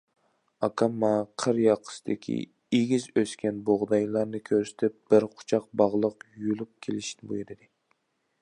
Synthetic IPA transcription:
ɑkʰɑmːɑqʰəɾjɑqʰːə̥sɨd̪ɪkʲʰḭ | eɡʲizøskʲɛnboʁd̪ɑjlˠɑɾnɨkʲʰøɾsɪ̥t̪ʰɪp̚b̥ɪɾqʰʊ̥t͡ʃʰɑq̚bɑʁlˠəqjulˠup̚kʲʰelɪʃinɪbojɾɨd̪ɨ

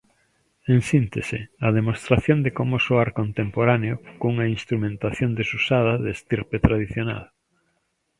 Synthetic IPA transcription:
eŋsint̪esḛaðemost̪ɾaθjõnd̪ekomosoaɾkont̪empoɾaneokouŋainst̪ɾumẽnt̪aθjond̪esusaðɐðeːst̪iɾpet̪ɾaðiθjona̰l

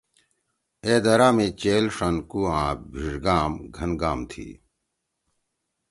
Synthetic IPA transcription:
eːd̪ɐɾaːmẽt͡ɕeːlʂɐnkuːãːbʱiʐɡaːmɡʱɐnɡaːmt̪ʰḭː

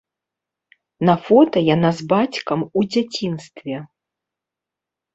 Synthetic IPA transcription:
nɐfɔt̪ɐjanazbat͡sʲkɐmud͡zʲat͡sʲinst̪vʲɛ

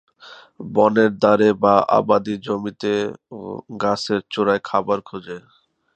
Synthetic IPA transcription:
bɔneɾd̪aɾebaʔa̰bad̪id͡ʑomit̪ḛ | ɡaseɾt͡ɕoɾaekʰabaɾkʰud͡ʑe

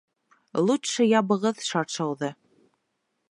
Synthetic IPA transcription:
lˠut̪ʃɤjɑβɤ̆ʁɤðʃɑɾʃɤ̆wðɤ

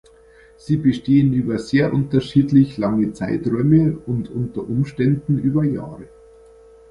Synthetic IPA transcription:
z̥iːbəʃteːənyːbɐzeːɐʔʊntɐʃiːtlɪçlaŋət͡saɪtʁɔʏməʊntʔʊntɐʔʊmʃtɛndn̩ʔyːbɐja̰ːʁə

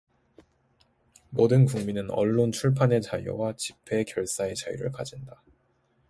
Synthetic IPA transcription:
modɯnkuŋminɯnʌ̰ɭːont͡ɕʰuɭpʰane̞t͡ɕajo̰wat͡ɕipʰe̞kjʌɭs͈ae̞t͡ɕajṵɾɯ̰ɭkad͡ʑinda

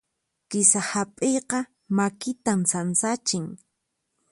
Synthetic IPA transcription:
kɪsahapʼejqɑ | makɪt̪amsansat͡ʃɪŋ

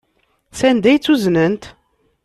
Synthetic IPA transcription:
sænd̪æjt͡sːuznənt̪

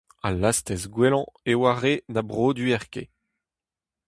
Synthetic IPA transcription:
alast̪ɛsɡwelɑ̃ewaʁenabʁoːd̪yɛʁkḛ

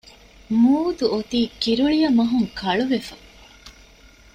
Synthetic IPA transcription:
muːd̪uʔot̪iːkiɾuɭijɐmɐɦuŋkʰɐɭuʋefɐ

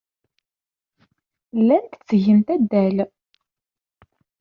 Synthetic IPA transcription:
lːænt̪ət͡sːəʝənt̪æd̪ːæl

